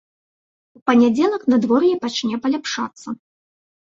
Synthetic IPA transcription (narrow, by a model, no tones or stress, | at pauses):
upɐnʲad͡zʲɛlˠɐknɐd̪vɔrjɛpat͡ʂnʲɛpɐlʲapʂa̰t̪sːɐ